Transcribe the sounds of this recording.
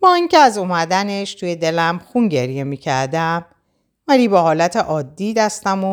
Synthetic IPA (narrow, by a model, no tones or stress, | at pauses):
bɒːiŋcʰeæzomæd̪æneʃt̪ʰuje̞d̪e̞læmxunɟe̞ɾje̞miːcʰæɾd̪æm | væliːbɒːhɒːlæt̪ʰeʔɒːd̪ːiːd̪æst̪æmo